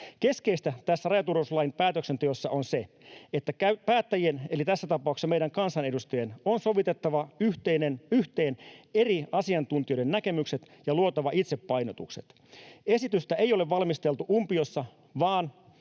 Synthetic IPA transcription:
ke̞skeist̪æt̪æsːærɑjɑt̪uroslɑjinpæːt̪øksent̪yøsːɑonse | et̪ːækæypæːt̪ːæjienelit̪æsːæt̪ɑpɑˑuksːɑmeiɾæŋkɑnsɑnedust̪ɑjenonso̞ʋit̪et̪ːɑʋɑyht̪einenyçt̪e̞ːneriɑsiɑnt̪unt̪iojdennæke̞mykset̪ | jɑluot̪ɑʋɑʔit̪sepːɑjnot̪ukset̪ | e̞sit̪yst̪æejo̞leʋʋɑlmist̪elt̪uʔumpiosːɑ | ʋɑːn

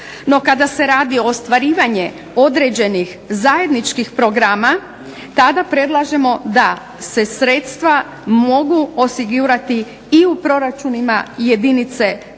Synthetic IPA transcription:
no̞kad̪ase̞ɾaːd̪io̞ːst̪ʋaɾiːʋaɲe | o̞d̪ɾe̞d͡ʑe̞nix | zaje̞d̪nit͡ʃkixpɾoɡɾaːma | t̪ad̪apɾe̞d̪lˠaʒe̞mo̞d̪a | se̞sɾe̞ːt̪st̪ʋa | mo̞ɡuo̞siɡuɾat̪i | iupɾo̞ɾat͡ʃunima̰je̞d̪init̪se̞

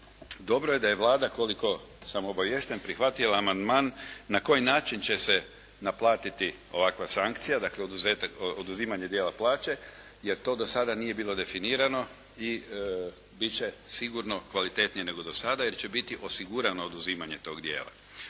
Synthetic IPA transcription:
d̪o̞bɾoje̞d̪aje̞ʋlˠaːd̪ako̞liko̞ | samoobaʋjest̪enpɾixʋat̪ilˠaːmand̪maːnːako̞jinaːt͡ʃint͡ɕese | naplˠaːt̪it̪i | o̞̰ʋakʋasaŋkt̪sijad̪akleod̪uzet̪aod̪uziːmaɲed̪jeːlˠaplˠaːt͡ʃe̞jeɾt̪o̞d̪o̞sad̪anije̞biːlˠo̞d̪e̞finiːɾano̞ | i | bit͡ɕesiɡuɾno̞kʋalit̪e̞t̪nijene̞ɡo̞d̪o̞sad̪aje̞ɾt͡ɕe̞bit̪iʔo̞siɡuɾano̞ːd̪uziːmaɲe̞t̪o̞ːɡd̪jḛːla̰

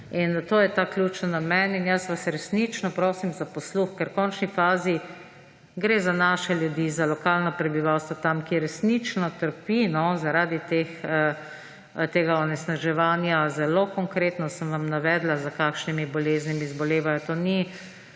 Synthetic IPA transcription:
int̪oːjɛt̪aːklʲjuːt͡ʃnanamɛninjəsʋasɾɛsnit͡ʃnɔpɾoːsimzapɔsluxkɛɾkɔnt͡ʃnifaːzi | ɡɾeːzanaːʃɛljud̪izalɔkaːlnɔpɾɛbiʋawst̪ʋɔt̪amkiɾɛsnit͡ʃnɔt̪əɾpinɔzaɾaːd̪it̪eːxə | t̪eːɡaɔnɛsnaʒɛʋaːnjazɛlokɔŋkɾeːt̪nɔsəmʋamnaʋɛːd̪lazakaːkʃnimibɔleːznimiːzbɔleːʋajɔt̪oːni

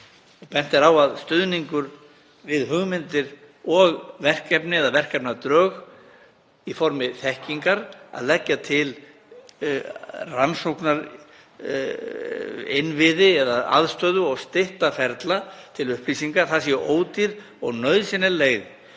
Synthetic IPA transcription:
ɔpɛn̥t̪ɪɾawaðst̪ʏðniŋkʏɾ | vɪðɦʏɣmɪnt̪ɪɾ | ɔɣvɛr̥kɛpnɪɛðavɛr̥kɛpnat̪ɾœːɣ | ifɔɾmɪθɛhciŋkaɾa̰ðlɛcːat̪ʰɪl | ransowknaɾ | ɪnvɪðɪɛðaa̰ðst̪œːðʏɔɣst̪ɪht̪afɛɾt̪lat̪ʰɪlʏhpʰlisiŋkaɾθasjɛʔoːwt̪iɾ | ɔɣnœɥðsɪnɪleːɣðɪ

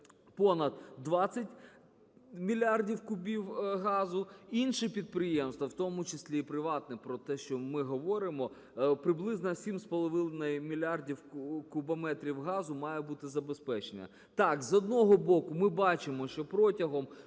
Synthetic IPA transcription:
pɔnɐd̪̚d̪ʋɑt͡sʲːɐtʲ | mʲilʲardʲiwkʊbʲiwɦɑzʊinʃɪpʲid̪̚pɾɪjemst̪ʋɐwt̪ɔmʊt͡ʃɪsʲlʲipɾɪʋɑt̪̚nɛpɾɔt̪ɛʃt͡ʃɔmɪɦɔʋɔɾɪmɔ | pɾɪblˠɪznɐsʲimspɔlˠɔʋɪnˠnɐjmʲilʲɑrdʲiwkʊbɐmɛt̪ɾʲiwɦɑzʊmɑjebut̪ɪzɐbespɛt͡ʃenɐ̰ | t̪ɑkzɔd̪nɔɦɔbɔkʊmɪbɑt͡ʃɪmɔʃt͡ʃɔpɾɔtʲɐɦɔm

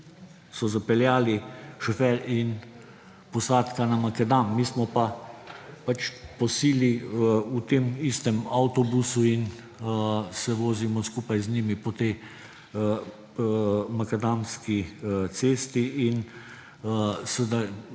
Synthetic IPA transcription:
sɔzapɛljaːliʃɔfɛɾin | pɔsaːt̪kanamakɛd̪aːmːiːsmɔpa | pat͡ʃpɔsiːliut̪eːmist̪ɛmawt̪ɔbusuin | sɛʋoːzimɔskuːpajzniːmipɔt̪ɛj | makɛd̪anskit̪seːst̪iin | səd̪a

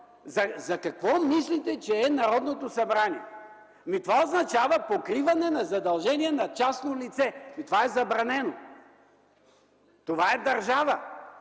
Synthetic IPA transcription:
zɐzɐkɐkvɔmislit̪ɛt͡ʃɛːnɐɾɔd̪not̪osɐbɾaniɛ | mit̪ovaoznɐt͡ʃavəpokɾivɐnɛnɐzɐd̪ɐlˠʒɛniɛnɐt͡ʃasnolit̪sɛmit̪ovaɛzɐbɾɐnɛno | t̪ovaɛd̪ɐɾʒavə

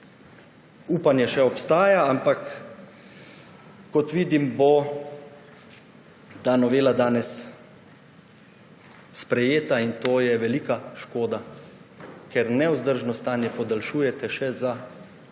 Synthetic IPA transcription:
uːpanjɛʃɛɔpst̪aːjaampak | ɔt̪ʋiːd̪imbo | d̪anɔʋeːlad̪aːnɛs | spɾɛjeːt̪aint̪oːjɛʋɛliːkaʃkoːd̪a | kɛɾnɛwzd̪əɾʒnɔst̪aːnjɛpɔd̪alʃuːjɛt̪ɛʃɛza

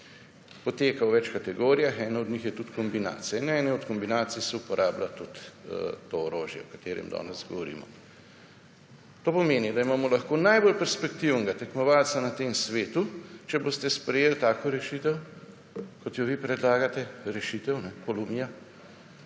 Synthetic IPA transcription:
pɔt̪eːkawʋɛt͡ʃkat̪ɛɡoːɾijaxɛːnaɔd̪ɲixjɛt̪ut̪kɔmbina̰ːt̪sijɛnɛɛːnɛɔt̪kɔmbinaːt̪sijsɛupɔɾʔaːblat̪ut̪t̪ooɾoːʒjɛ̰ɔkḁt̪eːɾɛ̰md̪ɔ̰ːnɛzɡɔ̰ʋɔɾḭːmɔ̰ | t̪oːpɔmeːnid̪aimaːmɔlɐxkoːnajbolpɛɾspɛkt̪iwnɛɡat̪ɛkmɔʋalsanat̪eːmsʋeːt̪ut͡ʃɛboːst̪ɛspɾɛjeːlt̪aːkoɾɛʃit̪ɛw | kɔt̪jɔʋipɾɛd̪laːɡat̪ɛɾɛʃit̪ɛwnɛkolumija

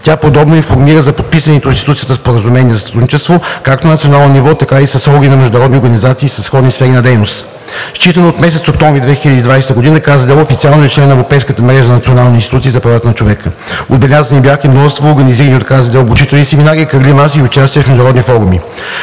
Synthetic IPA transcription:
t̪ʲapod̪ɔbnoinfoɾmiɾəzɐpot̪̚pisvənɛt̪ʊinst̪it̪ut̪sijət̪əspoɾəzumɛnʲiɛzst̪ɾud̪nit͡ʃɛst̪vokak̚t̪onɐt̪sionalˠnonʲivɔt̪ɐkaisɐsɔɡinɐmɛʒd̪ʊnɐɾɔd̪nioɾɡənʲizat̪siːsəsxɔd̪nisfɛɾinɐd̪ɛjnost̪ | st͡ʃit̪ənoːt̪mɛsɛt̪sok̚t̪ɔ̃ɱvɾid̪vɛxilʲəd̪iːd̪vajsɛt̪əɡod̪inəkazəd̪ɛlˠofit̪sialˠnoɛt͡ʃlɛnːɐɛvɾopɛjskət̪əmɾɛʒənnɐt̪sionalˠninst̪it̪ut̪siːzɐpɾɐvat̪ənɐt͡ʃovɛkə | o̰d̪̚bɛlʲazənibʲjaximnɔvəst̪voːɾɡɐniziɾəniot̪kazəd̪ɛlˠbut͡ʃit̪ɛlʲˠnisɛminaɾiəkəɾɡlimasəiʊt͡ʃast̪iəfmɛʒd̪nəɾɔd̪nifɔɾumi

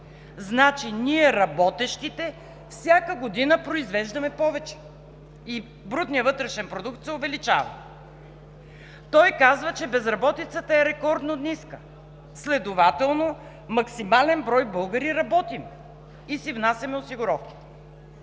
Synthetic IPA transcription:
znat͡ʃiniɛɾɐbɔt̪ɛʃt̪it̪ɛ | fsʲjakəɡod̪inəpɾoizvɛʒd̪ɐmɛpɔvɛt͡ʃɛ̥ | i | bɾud̪nijəvɤt̪ɾɛʃɛnpɾod̪ukt̪sɛʊvɛlit͡ʃa̰vɐ̰ | t̪ɔjkazvət͡ʃɛbɛzɾɐbɔt̪it̪sət̪əɛɾɛkɔɾd̪nod̪niskə | slɛd̪ovat̪ɛlˠno | mɐksimalɛnbɾɔjbɤlˠɡəɾiɾɐbɔt̪im | isivnasʲɐmɛosiɡʊɾɔfkʲi̥t̪ɛ̥

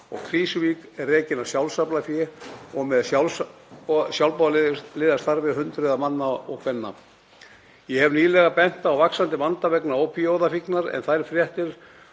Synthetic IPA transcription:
ɔ̰ɣkʰɾiːsʏvikɛrːeːcɪnawsjawlsaplafjɪɔɣmɛðal | sjawlpaðllɪːðast̪aɾvɪðɦʏnt̪ɾʏðamanːaɔ̰ɣkʰvɛnːa̰ | jɛhɛvniːlɛɣapɛn̥t̪aːwvaksant̪ɪvant̪avɛknaowpʰiowðafiknaɾɛ̰nθajɾfɾjɛht̪ɪɾ̥

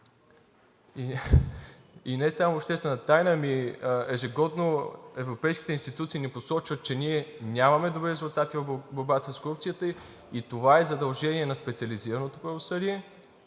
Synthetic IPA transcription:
i | inɛsamoːpʃt̪ɛst̪vɛnət̪ajnəmiɛʒɛɡɔd̪noɛvɾopɛjskʲi̥t̪ɛinst̪it̪ut̪siːniposɔt͡ʃvət̪̚t͡ʃɛniɛnʲamɐmɛd̪obɾiɾɛzulˠt̪at̪ivɐboɾbat̪əskoɾup̪̚sijət̪ə | it̪ovaɛzɐd̪ɐlˠʒɛniɛnɐspɛt̪siəliziɾɐnot̪opɾɐvosɤliɛ

